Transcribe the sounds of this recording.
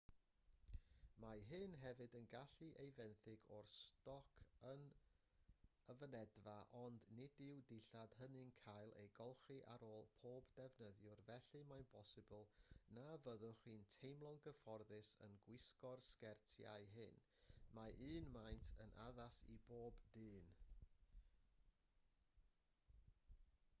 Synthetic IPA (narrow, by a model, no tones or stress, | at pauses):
maɦɨnɦɛvɨdənɡaɬiʔejvɛnθɨɡɔrstɔkʰən | əvənɛdvaʔɔndnɪdɪwdɪɬad̥hənɪŋkʰajlˠḛjɡɔlˠχɨʔa̰ɾoːlˠpʰoːbdɛvnəðjʊrvɛɬɨmajnpʰɔsɨbʊlˠnavəðʊχwiːntʰejmlˠɔŋɡəfɔrðɨsə̰nɡwɪskɔrskɛrtʰja̰ɨɦɨn | maʔɨːnmajntʰənʔa̰ðasḭboːbd̥ɨːn